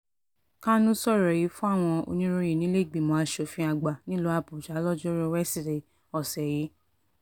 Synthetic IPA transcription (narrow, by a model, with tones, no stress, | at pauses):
kã˦nũ˦sɔ˦˨ɾɔ˨ji˨˦fũ˦a˦˨w̃ɔ̃˧o̰˧nĩ˦ɾo˧ji˨nĩ˦le˦˨ɡ͡bĩ˨mõ˧˦a˧ʃo˨˧˨fĩ˧a˨ɡ͡ba˨nĩ˦lo˧˦a˧bu˨d͡ʒa˨˦lɔ˦d͡ʒɔ˦ɾɔ˦wɛ˦si˨ɾe˨ | ɔ˨sɛ˨ji˨˦